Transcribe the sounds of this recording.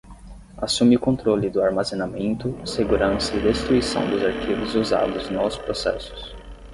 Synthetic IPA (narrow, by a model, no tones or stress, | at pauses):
asũmɪʊkõnt̪ɾolɪd̪ʊaɾmazenamẽnt̪ʊseɡuɾɐ̃sɐid̪est̪ɾuisɐ̰̃w̃d̪ʊzaɾkivʊzuza̰d̪ʊznɔʊspɾosɛ̰sʊ̥s